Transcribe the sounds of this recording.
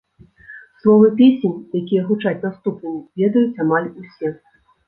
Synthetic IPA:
slˠɔvɐpʲesʲenʲjakʲijɛɣut͡ʂat͡sʲnast̪upnɨmʲivʲɛd̪ɐjut͡sʲamalʲusʲɛ

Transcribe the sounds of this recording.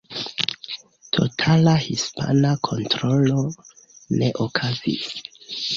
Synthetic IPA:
tʰo̞̰tʰalahispʰa̰nakʰo̞ntɾo̞lo̞ | ne̞ʔokʰazḭs

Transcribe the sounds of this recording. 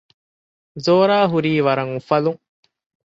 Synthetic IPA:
zoːɾaːɦuɾiːʋɐɾɐŋufɐluŋ

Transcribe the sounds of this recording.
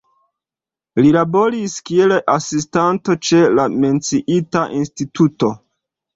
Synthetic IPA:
lilabo̞ɾiskielʔasistanto̞t͡ʃe̞lame̞nt͡siʔitaʔinstitʰuto̞

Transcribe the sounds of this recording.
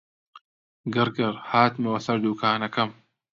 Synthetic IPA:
ɡɨɾɡɐɾhaːt̪mɐwɐsɐɾd̪uːkʰaːnɐkɐm

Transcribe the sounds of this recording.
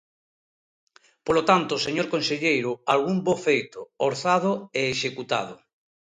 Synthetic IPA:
polot̪ant̪oseɲoɾkonseʎejɾʊalɣumbofejt̪ooɾθað̞oeːʃekut̪a̰ð̞o

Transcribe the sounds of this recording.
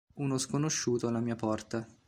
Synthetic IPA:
unoskonoʃːuːt̪oalamiːapɔrt̪a

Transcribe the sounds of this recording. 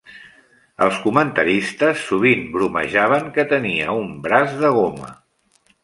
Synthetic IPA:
ə̰lˠskumənt̪əɾist̪əsːuβ̞imbɾumə̰ʒaβ̞əŋkət̪əniə̰umbɾazðəɣ̞omə̰

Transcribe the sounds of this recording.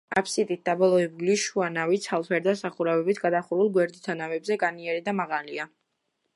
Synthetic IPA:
apʰsit̪ʼit̪̚d̪abɔlˠɔɛbuliʃuanavit̪sʰalˠt̪ʰɛɾd̪asaχuɾɛbɛbit̪ʰɡad̪aχuɾulˠɡwɛɾd̪it̪ʰanavɛbzɛɡʼaniɛɾid̪amaʁalia

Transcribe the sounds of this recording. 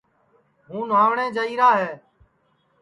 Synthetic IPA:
ɦũːnaːʋɳẽːd͡ʒəiːɾaːɦeː

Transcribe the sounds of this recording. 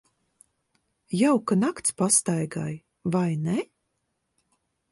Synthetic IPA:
jawkanakt̪spast̪ajɡaj | vajnɛ

